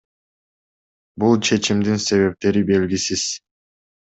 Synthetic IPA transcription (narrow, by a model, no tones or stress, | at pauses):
bulˠt͡ʃʰe̞t͡ʃimd̪inse̞βe̞p̚t̪e̞ɾibe̞lɡʲisiz̥